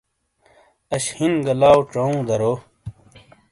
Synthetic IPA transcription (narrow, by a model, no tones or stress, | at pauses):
ɐɕhinɡɐlaːwʈ͡ʂɐ̃ũːd̪ɐɾoː